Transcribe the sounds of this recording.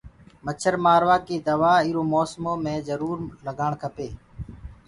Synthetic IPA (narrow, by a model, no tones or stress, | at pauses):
mət͡ʃʰəɾmaːɾʋaːkiːd̪əʋaːiːɾoːmɔːsmoːmẽːzəɾuːɾləɡʱaːɳkʰəpeː